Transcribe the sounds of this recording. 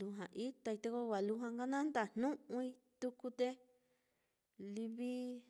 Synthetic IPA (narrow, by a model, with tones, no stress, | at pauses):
lu˧ɦã˨ʔi˦t̪a˧i˧t̪e˧ko˧wa˨lu˧ɦã˧ŋɡa˦nã˦nd̪a˨n̥nũ˦ʔʔũ˧i˧ | t̪u˧ku˧t̪e˦ | li˧βi˦